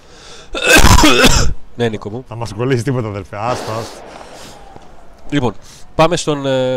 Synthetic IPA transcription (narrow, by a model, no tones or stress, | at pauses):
nenikomuθɐmɐskolisist̪ipo̞t̪eɐðelfeɐst̪ɐs | lipo̞n | pɐmest̪o̞n